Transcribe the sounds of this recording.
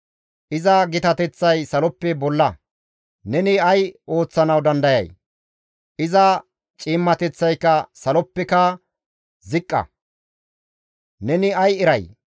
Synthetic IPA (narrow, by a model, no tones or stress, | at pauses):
ʔɪzɐɡɪt̪ɐt̪ɛt͡sːɐjsɐlɔpːɛbɔlːɐ | nɛnɪɐjo̞ːt͡sːɐnɐwd̪ɐnd̪ɐjɐ̰j | ʔɪzɐ | t͡ʃʼiːmːɐt̪ɛt͡sːɐjkːɐsɐlɔpːɛkɐ | zɪkʼːɐ̰ | nɛnɪɐjɛɾɐj